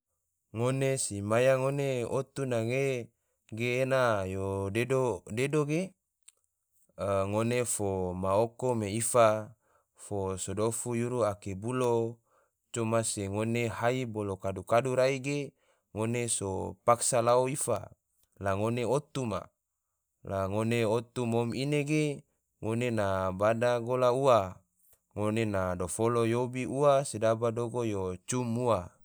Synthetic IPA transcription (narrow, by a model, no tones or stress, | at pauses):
ŋonesimajaŋoneot̪unaŋe | ɡeːnajodedodedoɡe | ŋonefomaokomeifa | fosodofujuɾuakebulo | t͡ʃomaseŋoneɦaibolokadukaduɾaiɡe | ŋoneso̰paksalaoifa̰ | laŋoneot̪uma̰ | laŋoneot̪umomineɡe | ŋonenabadaɡolaua | ŋonenadofolojobiuasedabadoɡojot͡ʃumua